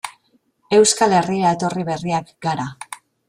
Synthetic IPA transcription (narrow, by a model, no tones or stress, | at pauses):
e̞wskale̞riɾaet̪o̞riβe̞riakɡaɾa